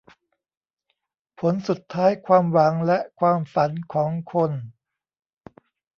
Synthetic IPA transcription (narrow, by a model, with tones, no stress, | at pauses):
pʰo˩˦nsu˨˩t̪ʰːaː˦˥jkʰwaː˧mwa˩˦ŋlɛ˦˥ʔkʰwaː˧mfa˩˦nkʰɔː˩˦ŋkʰo˧n